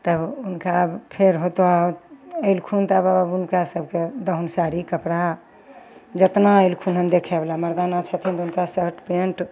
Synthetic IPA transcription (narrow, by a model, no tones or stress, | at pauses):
t̪əbunkapʰeɾɦot̪oaoəɪlkʰunt̪abaəbunkasəb̚ʱked̪əɦunsaɾikəpɽa | d͡ʒət̪naəɪlkʰunɦənd̪ekʰɛblaməɾd̪anat͡ʃʰət̪ʰint̪unkasəɾʈpeɳʈ